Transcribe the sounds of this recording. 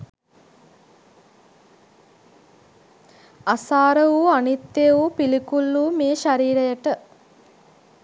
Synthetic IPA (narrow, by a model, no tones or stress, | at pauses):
asaːɾəʋuanit̪ːeʋupilikulːuːmeːʃaɾiːɾɐjəʈə